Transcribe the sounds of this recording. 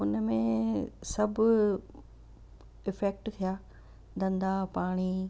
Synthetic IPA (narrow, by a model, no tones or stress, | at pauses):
ʊnəmẽsɐbʱʊ | ɪfɛːk̚ʈt̪ʰijaː | d̪ɐ̃nd̪apaːɽ̃i